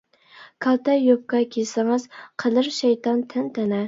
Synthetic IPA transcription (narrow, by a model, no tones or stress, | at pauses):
kʰɑlt̪ɛjop̚kɑkʲʰesɪŋɨz̥qʰəlɨɾʃɛjt̪ɑnt̪ʰɛnt̪ʰɛnɛ